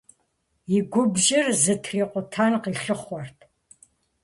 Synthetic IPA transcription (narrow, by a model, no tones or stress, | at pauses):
jɪɡʷʊbʒɪrzɨtʰriːqʷʼʊtʰaːnqiːɬɨχʷɔrtʰ